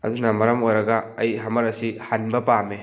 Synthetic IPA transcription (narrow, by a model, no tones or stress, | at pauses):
ɐ̰d̪unɐmɐɾɐmojɾɐɡɐːjɦɐmɐɾɐsihanbɐpame